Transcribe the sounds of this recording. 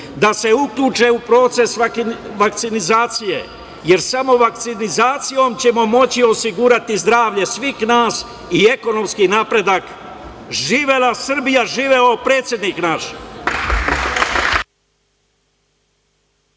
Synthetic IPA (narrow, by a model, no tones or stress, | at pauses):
d̪ase̞ukʎʲuːt͡ʃe̞upɾo̞t̪se̞sʋak̚t̪sinizaːt̪sije̞̰ | je̞ɾsamo̞ʋak̚t̪sinizaːt̪sijo̞mt͡ɕe̞mo̞mo̞t͡ɕio̞siɡuːɾat̪izd̪ɾaːʋʎe̞sʋixnaːs | ie̞ko̞no̞mskinaːpɾe̞d̪ak | ʒiːʋelasr̩bijaʒiːʋeopɾe̞ːt̪sje̞d̪niːknaʃ